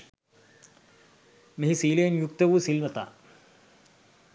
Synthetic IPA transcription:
meɦisiːlejnjuk̚t̪ɐʋuːsilmɐt̪a̰ː

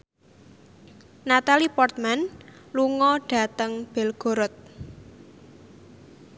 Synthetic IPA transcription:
nat̪alipɔrt̪̚manluŋɔɖ̥a̤t̪əŋb̥ɛ̤lɡ̥o̤ɾɔt̪̚

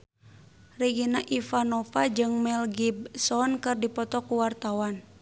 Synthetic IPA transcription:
riɡinaʔifanɔfad͡ʒɨŋmɛlɡibsɔnkɨrdipɔt̪ɔkuwart̪awan

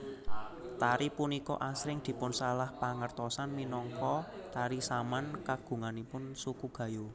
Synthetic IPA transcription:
t̪aɾipunikɔ̰ʔasɾɪŋd̪̥i̤pʊnsalahpaŋərt̪ɔsanminɔŋkɔt̪aɾisamankaɡ̥ṳŋanipʊnsukuɡ̥ä̤ju

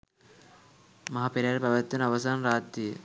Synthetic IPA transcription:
mɐɦapeɾaːɾebɐʋɐt̪ːjɐnɐʋɐsaːnɾaːt̪ːi

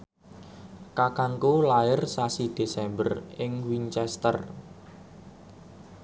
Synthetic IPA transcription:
kakaŋkulaɪrsasid̪̥e̤sɛmbərɪŋwiɲt͡ʃɛst̪ə̰r

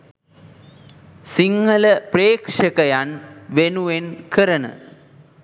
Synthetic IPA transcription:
siŋːɐlɐpreːkʂɐkɐjanʋenuʋenkʰɨɾɐɳɨ̰

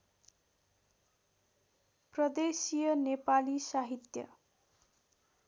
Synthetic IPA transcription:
prʌd̪esijʌnepalisaɦit̪jʌ̰

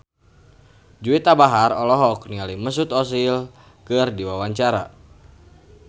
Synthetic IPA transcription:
d͡ʒuit̪abaɦarɔlɔɦɔk̚nialiməs̬ut̪ɔsil | kɨrdiwawaɲt͡ʃaɾa̰

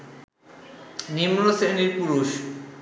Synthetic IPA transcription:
nimɾoseniɾpuɾuʃ

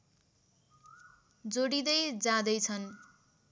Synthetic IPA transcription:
d͡zoɽid̪ʌjd͡zad̪ʌjt͡sʰʌn

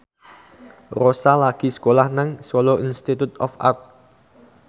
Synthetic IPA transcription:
rosalaɡ̥i̤sə̥kolahnaŋsoloʔinst̪it̪ut̪ɔfʔa̰k̚

